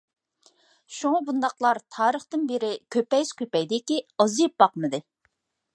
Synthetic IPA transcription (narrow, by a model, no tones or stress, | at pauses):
ʃuŋɑbund̪ɑqlˠɑɾt̪ʰɑːɾəχt̪ɨnbeɾɪkʲʰøpɛjz̥kʲøpɛjd̪ɪkʲiɑzijp̚bɑqmɨd̪ɨ